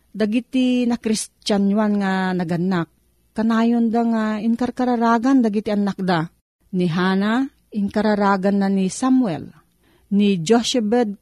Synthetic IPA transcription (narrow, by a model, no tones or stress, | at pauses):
d̪aɡit̪inakɾist͡ʃanwanŋanaɡanːak̚ː | anaːjond̪aŋaiŋkaɾkaɾaɾaːɡand̪aɡit̪ianak̚d̪a | niɦaːna | ɪŋkaɾaɾaɡanːanisamwɛ̰l | nid͡ʒoʃɛbɛd̪̚